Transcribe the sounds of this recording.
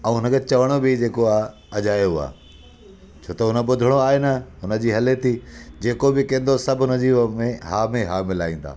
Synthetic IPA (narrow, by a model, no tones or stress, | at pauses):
ɐ̃ũɦʊnəkʰet͡ɕɐʋəɽ̃obɪd͡ʑeːkoaː | ɐd͡ʑaːjoɦʊa̰ː | t͡ɕʰoːt̪ɐɦʊnə̆bʊd̪ʱəɽ̃oaːɦenɐɦʊnə̆d͡ʑiːɦɐlet̪ʰiːd͡ʑeːkobɪkẽːnd̪osɐbʱʊnɐziːʋmẽɦaːmẽɦaːmɪlaːĩːn̆d̪a̰ː